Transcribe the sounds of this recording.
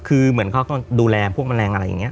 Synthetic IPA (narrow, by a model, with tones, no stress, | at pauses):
kʰɯː˧mɯ˩˦ənkʰɔː˥˩kɔː˥˩duː˧lɛː˧pʰu˥˩əkma˧nɾɛː˧ŋʔa˧ɾa˧jːa̰˨˩ŋːi˦˥ɐ